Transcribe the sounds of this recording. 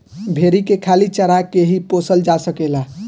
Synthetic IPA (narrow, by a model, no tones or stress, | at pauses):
bʱeɾikekʰalit͡ʃəɾakeɦiposəld͡ʒasəkela